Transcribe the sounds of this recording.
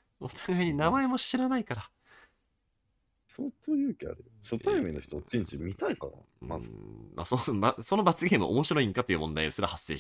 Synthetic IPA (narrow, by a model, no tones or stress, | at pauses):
ot̪ʰḁɡaiɲ̟inamaemo̞ɕiɾanaikaɾa | soːt̪oːjɯ̟ːkʲea̰ɾɯ | ɕot̪aimʲinːoçi̥t̪ot͡sɨ̃ɲt͡ɕimʲit̪aika̰na̰ | ma̰zmʔa̰sobaso̞no̞bat͡sɨɡʲẽm̃oʔo̰mo̞ɕiɾo̞ĩŋkat̪o̞jɯ̟ːmõ̞nd̪aio̞sɨɾahasːe̞̰ːɕ